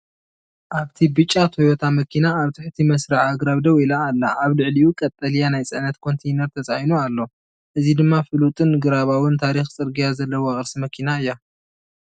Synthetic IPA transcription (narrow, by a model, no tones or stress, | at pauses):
ʔaβt̪ʰibɨt͡ʃʼːat̪ʰo̞jot̪ʰamɐkʰinaːβt̪ʰɨħt̪ʰimɐsɾaʕaɡɾaβd̪ɐwilaːlːaʔaβlɨʕlijukʼɐt̪ʼːɐlijanajt͡sʼɐnɐt̪kʰo̞nt̪ʰejnɐɾt̪ʰɐt͡sʼajnualːo̞ | ʔɨzid̪ɨmːafɨlut̪ʼɨnɨɡɨɾaβawɨnt̪ʰaɾixt͡sʼɨɾɡijazɐlːɐwoaχʼɨɾsimɐkʰinaɨjːa